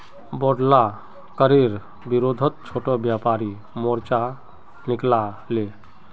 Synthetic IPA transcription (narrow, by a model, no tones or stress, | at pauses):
bɔɽla | kəɾiɾ | biɾod̪ʱət̪̚t͡ʃʰoʈɔbjapaɾi | mɔɾt͡ʃa | nikla | le